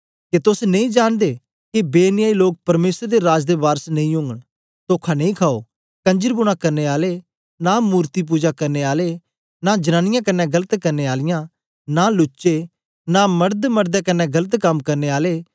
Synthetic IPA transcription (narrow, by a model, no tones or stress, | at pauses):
ket̪ʊsnɐ̃ĩːd͡ʒaːɽ̃d̪eː | kibeːnɪjaːiloːk̚pɐɾmeːsəɾd̪eɾaːd͡ʒd̪ebaːɾəsnɐ̃ĩʊ̃ŋɡəɽ | t̪oːkʰanɐ̃ĩːkʰaːo̰ː | kɐ̃ɲd͡ʒəɾbʊɽ̃ãkɐɾneːaːleː | namuːɾt̪ip̬uːd͡ʒakɐɾneaːleː | nad͡ʒɐnãːnɪjãːkɐnːɛɡɐlət̪kɐɾneːaːlɪjãː | nalʊt͡ʃʃeː | namɐɾd̪mɐɾd̪ɛkɐnɛ̃ɡɐlət̪kɐmkɐɾneːaːleː